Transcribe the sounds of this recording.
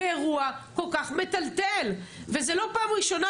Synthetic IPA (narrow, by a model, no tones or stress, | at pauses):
eʁuako̞lkaχme̞t̪alt̪elve̞ze̞lo̞paːmʁiʃo̞na